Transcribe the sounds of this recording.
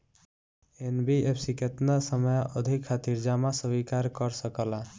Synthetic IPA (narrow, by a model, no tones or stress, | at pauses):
enbiepʰsiket̪nasəməjəd̪ʱikʰːat̪iɾd͡ʒamasəbikaɾkəɾsəkəla